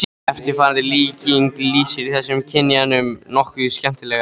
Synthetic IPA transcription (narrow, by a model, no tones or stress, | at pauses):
ɛft̪ɪɾfaːɾant̪ɪliːciŋkliːsɪɾiθɛsːʏmcʰɛnːianʏmnɔhkvʏscɛm̥t̪ɪlɛːɣa